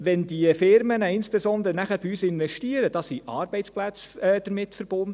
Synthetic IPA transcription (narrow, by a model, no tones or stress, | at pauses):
ʋɛndiəfɪɾmənəɪnsb̥ɛsɔnd̪əɾənæχæɾb̥iyːsɪnvɛʃtiəɾəd̥ɑːsiʔɑːɾbɛɪt͡splæt͡sɛːd̥əɾmɪtfəɾb̥ʊndə